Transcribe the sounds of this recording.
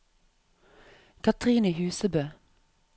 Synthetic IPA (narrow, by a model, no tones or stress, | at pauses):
kʰɑt̪ʰʁiːnəhʉːsəbøː